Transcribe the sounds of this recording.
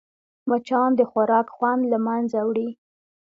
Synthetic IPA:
mat͡ʃɑnd̪əxwaɾɑkxwand̪lamanzawɽi

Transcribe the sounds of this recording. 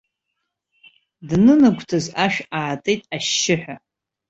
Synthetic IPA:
dnɨnɨɡʷtʰazaʃᶣaːtʼejtʼaʃːɪħᶣʷa

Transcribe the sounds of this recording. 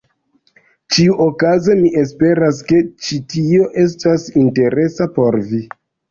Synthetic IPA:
t͡ʃiuʔokaze̞miʔe̞s̬pe̞ɾas̬ke̞t͡ʃitio̞ʔe̞s̬tasinte̞ɾe̞sapo̞ɾvi

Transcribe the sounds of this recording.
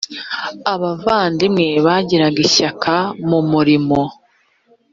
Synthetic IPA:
aβavaːndimŋe̞βaɟiɾaɡiɕakamumuɾimo̞

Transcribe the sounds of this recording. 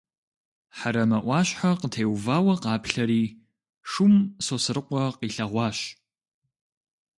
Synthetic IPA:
ħaɾɐmɐʔʷɑːɕħaqətʰeːwvaːwɐqɑːpɬɐɾiː | ʂumsosɨɾɨqʷɔqiːɬɐʁʷɑːɕ

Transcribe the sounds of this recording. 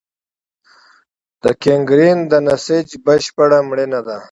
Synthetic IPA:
d̪̥əkeŋɡɾind̪ənaset͡ʃbəʃpəɽamɽinad̪a

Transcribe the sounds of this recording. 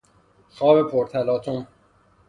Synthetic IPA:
xɒːbepʰoɾt̪ʰælɒːt̪ʰom

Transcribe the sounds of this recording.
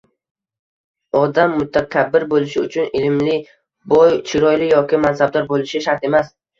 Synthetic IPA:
ɒd̪amːʊt̪ʰːakʲʰabːɪɾbolɪʃɪʊt͡ʃʰʊnɪlmlɪ | bɒjt͡ʃʰɪɾɒjlɪjɒkʲɪmansabd̪ɒɾbolɪʃɪʃaɾt̪e̞mas

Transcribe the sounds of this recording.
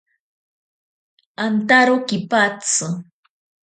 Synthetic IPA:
ant̪aɾokɪpat͡sɨ

